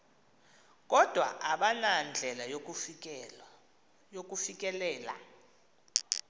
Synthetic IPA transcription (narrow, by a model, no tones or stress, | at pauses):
k̬ʼɔd̥ʱwa̰ʔaɓanand͡ɮʱɛlaj | ok̬ʼufik̬ʼɛlɛːla̰